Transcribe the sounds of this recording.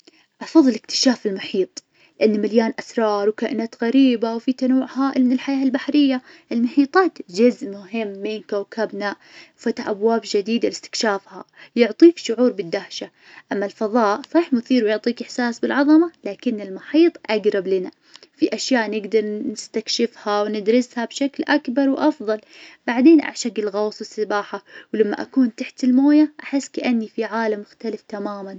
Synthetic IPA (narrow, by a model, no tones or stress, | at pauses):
ʔɑfɑðˤːɪlɪkt̪ɪ̥ʃaːfɪlmʊħiːt̪ˤ | lɪʔanːmaljaːnʔasɾˤɑːɾˤwkaːʔɪnaːt̪ɣaɾiːbawfit̪anawːʊʕhaːʔɪlmɪnɪlħajaːlbaħɾɪjːaʔɪlmʊħiːt̪ˤɑːt̪d͡ʒʊzʔmʊɦɪmːɪnkawkabna | wfat̪aħʔabwaːbd͡ʒɪd̪iːd̪alɪst̪ɪ̥kʃaːfha̰jʊʕt̪ˤiːkʃʊʕuːɾbɪd̪ːahʃa | ʔamːalfɑðˤɑːʔsˤɑːħmʊθiːɾwjʊʕt̪ˤiːkɪħsaːsbɪlʕɑðˤɑmalaːkɪnːɪlmʊħiːt̪ˤʔaɡɾˤɑblɪna | fiʔaʃjaːʔnɪɡd̪ɑɾˤnɪst̪akʃɪfhawnɪd̪ɾɪshabʃaklʔakbɑɾˤwʔɑfðˤɑlb̥aʕd̪eːnʔa̰ʕʃaɡɪlɣɑwsˤwɪsɪbaːħawlamːa̰ʔa̰kuːnt̪aħt̪ɪlmoːjaʔaħɪsːkaʔanːifiʕaːlamːʊxt̪alɪft̪amaːman